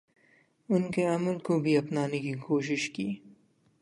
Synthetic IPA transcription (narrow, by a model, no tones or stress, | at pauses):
ʊnkeɐməlkobʱiɐpnaːnekikoːʃ̬ɪʃkiː